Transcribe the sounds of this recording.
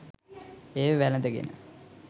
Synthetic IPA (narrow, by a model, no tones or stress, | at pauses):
eːʋəʋæləd̪əɡḛnə̰